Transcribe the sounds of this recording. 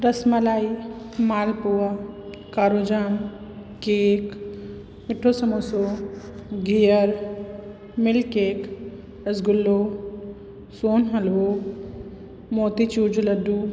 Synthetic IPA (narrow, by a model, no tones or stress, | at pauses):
ɾɐsmɐlaːi | maːlpuwakaːɾod͡ʒaːmkeːk | mɪʈʰːosɐmoso | ɡʱijəɾ | mɪlkeːk | əsɡʊlːo | soːnɦɐlo | moːt̪it͡ʃuːd͡ʒulɐɖu